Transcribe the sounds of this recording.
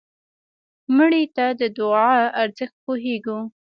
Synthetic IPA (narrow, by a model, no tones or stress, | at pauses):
məɽit̪ad̪əd̪ʊɑaɾzəxt̪̚poɦeɡu